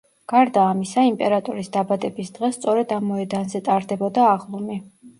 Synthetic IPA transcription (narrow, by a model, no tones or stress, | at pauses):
ɡ̥aɾd̪aːmisaimpʼɛɾat̪ʼɔɾisd̪abad̪ɛbisd̪ʁɛst̪sʼɔɾɛd̪amːɔɛd̪anzɛt̪ʼaɾd̪ɛbɔd̪aːʁlˠɔmi